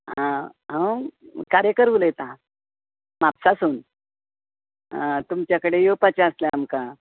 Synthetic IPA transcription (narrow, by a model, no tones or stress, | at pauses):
ɦã | ɦãkaɾjəkəɾʋuləjet̪a | mapsasuːn | t̪umt͡ɕjakəɽejopat͡ɕaəsljaamka